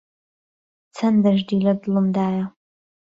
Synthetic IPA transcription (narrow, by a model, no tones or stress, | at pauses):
t͡sʰɐndɐʒdiːlɐdɨlɨmdaːja